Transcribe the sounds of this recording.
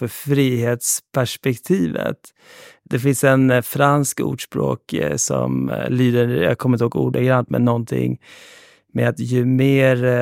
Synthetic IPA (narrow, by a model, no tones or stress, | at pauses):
fœɾfɾiːheːt̪spʰæʂpɛkt̪ʰiːvə̰t̪ | d̪̥ɛfɪnsɛnfɾanskṵːɖʂpɾo̰ːksɔ̰mliːd̪əja̰kʰɔmɾɪnhoːɡṵːɖ̪aɡɾant̪mɛ̰nːɔnt̪ʰɪ̰ŋː | mɛat̪jɵmeːɾ